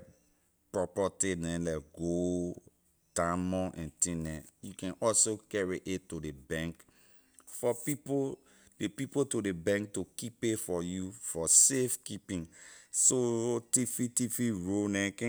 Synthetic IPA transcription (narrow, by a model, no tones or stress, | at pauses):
pɹɔpɔtenɛ̃lɛɡo | tamɔ̃ʔɛ̃ntĩnɛ̃jukɛ̃nʔɔlsokɛɹiʔetodebɛ̃ŋk | fɔpipo | depipotodebɛ̃ŋk̚tokipefɔjufɔsefkipĩŋsotifitifiɹonɛ̃kɛ̃